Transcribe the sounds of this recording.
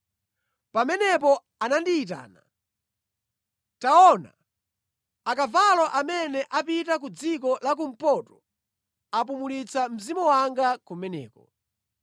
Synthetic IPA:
pamɛnɛpɔ | anandiːt̬a̰ːna | taɔna̰ | akavalɔʔamɛnɛʔapitak̬ud͡zik̬ɔlak̬um̩pɔtɔ | apumulit͡sʰam̩zimɔwaŋɡakumɛnɛ̰ːkɔ̰

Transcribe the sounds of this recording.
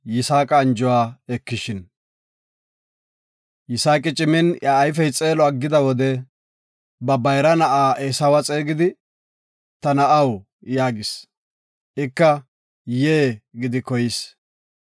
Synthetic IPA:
jɪsaːkʼɐːnd͡ʒɔwaːɛkːɪʃɪn | jɪsaːkʼɪt͡ʃʼɪmɪnjaːjf̬ɛjt͡sʼe̞ːlɔɐɡːɪd̪ɐwɔd̪ɛ | bɐbɐjɾɐnɐʔaːʔeːsɐwɐt͡sʼeːɡɪd̪ɪ | t̪ɐnɐʔɐw | jaːɡɪs | ʔɪkːɐ | jeːɡɪd̪ɪkɔjɪs

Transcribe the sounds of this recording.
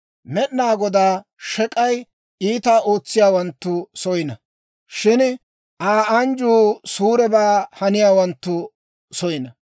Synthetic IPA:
mɛʔnaːɡɔd̪aːʃɛkʼɐj | iːt̪aːʔoːt͡sːɪjaːwɐnt̪ːʊsɔjɪnɐ | ʃɪn | ʔaːɐnd͡ʒuːsuːɾɛbaːhɐnɪjaːwɐnt̪ːʊ | sɔjɪnɐ

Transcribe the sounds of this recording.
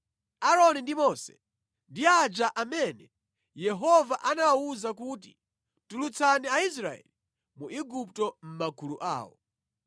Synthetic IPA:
aɾɔnindimɔsɛ̥ | ndiad͡ʒaʔamɛnɛ | jɛɦɔvaʔanawawuzakuːt̬i̥ | tulut͡sʰaniais̬ɾaɛ̰li | muʔiɡup̚tɔm̩makʰuluʔa̰ːwɔ̰

